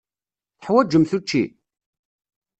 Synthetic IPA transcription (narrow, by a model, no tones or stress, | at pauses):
θħwæd͡ʒːəmθut͡ʃːḭ